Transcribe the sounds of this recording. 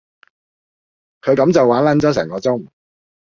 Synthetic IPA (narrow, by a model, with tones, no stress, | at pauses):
kʰɵ˨˧ɥkɐ˨˧˥mt͡sɐ˨wːaː˨˥nlɐ˨˥nt͡sɔː˨˥s̬ɛ̰ː˨˩ŋkɔː˧t͡sʊ˥ŋ